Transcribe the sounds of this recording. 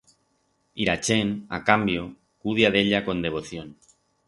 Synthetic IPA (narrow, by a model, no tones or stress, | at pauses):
iɾat͡ʃena̰kambjo | kuð̞jaðeʎako̞nd̪e̞β̞o̞θjon